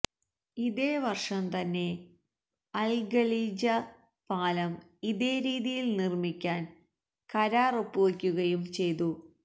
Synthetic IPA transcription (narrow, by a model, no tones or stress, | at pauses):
iðe̞ːʋɐrʂɐmt̪ɐnːe̞ | ɐlɡɐliːd͡ʑɐ | paːlɐm | iðe̞ːɾiːðijilnirmikʲːaːn | kɐɾaːropːuʋɐkʲːuɣɐjumt͡ɕe̞jt̪u